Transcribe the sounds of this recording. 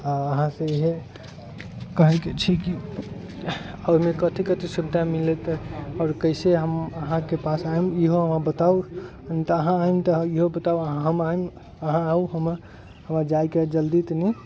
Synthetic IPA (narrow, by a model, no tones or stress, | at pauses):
aəɦãsə̃iɦe | kəɦəket͡ʃʰiki | əɾmekət̪ʰikət̪ʰisubʱd̪ʱamilɛt̪ɔːɾkəɪseɦəməɦãkepasaemiɦoɦəmãbət̪au | nit̪əɦãaimt̪əiɦobət̪awəɦãɦəmaim | əɦãauɦəməɾ | həməɾd͡ʒajked͡ʒəld̪it̪ni